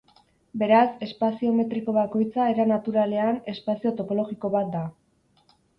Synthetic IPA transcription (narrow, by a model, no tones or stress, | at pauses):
be̞ɾase̞spasio̞me̞t̪ɾiko̞βako̞jt͡sae̞ɾanat̪uɾale̞ane̞spasio̞t̪o̞po̞lo̞ɣiko̞βat̪̚d̪a